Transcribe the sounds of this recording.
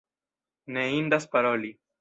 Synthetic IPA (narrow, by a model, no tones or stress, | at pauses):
neiːnɖɐspɐɾoːli